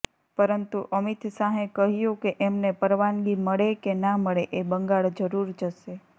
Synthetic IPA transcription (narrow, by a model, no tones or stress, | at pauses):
pəɾənt̪uʔəmit̪saɦẽkəɦjũkeʔemnepəɾʋanɡiməɭekenaməɭeʔebəŋɡaɭd͡ʒəɾuɾd͡ʒəʃe